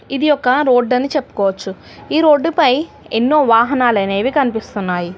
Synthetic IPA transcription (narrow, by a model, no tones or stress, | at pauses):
id̪ijɔkːɐɾo̞ːɖːɐnit͡ʃe̞pːu̥kɔːʋɐt͡ʃːu | iːɾo̞ːɖːupɐj | enːo̞ːʋaːɦɐnaːlɐne̞ːʋikɐnipist̪unːaːji